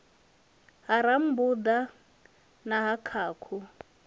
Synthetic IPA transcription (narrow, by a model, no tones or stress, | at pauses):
ɦaɾam̩bud̪a | naɦakʰaːkʰu